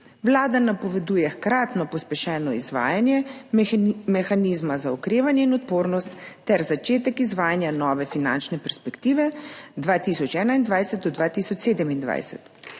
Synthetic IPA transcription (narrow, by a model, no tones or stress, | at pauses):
ʋlaːd̪anapɔʋɛd̪ujɛxkɾaːt̪nɔpɔspɛʃɛːnɔizʋa̰ːjanjɛ | mɛxaniːzmazaɔkɾeːʋanjɛinɔt̪poːɾnɔst̪ːɛɾzat͡ʃeːt̪ɛkizʋaːjanjanɔːʋɛfina̰nt͡ʃnɛpɛɾspɛkt̪iːʋɛd̪ʋaːt̪isɔt͡ʃɛːnaind̪ʋajsɛt̪̚d̪ɔd̪ʋaːt̪isɔt͡ʃseːd̪ɛmind̪ʋa̰jsɛ̰t̪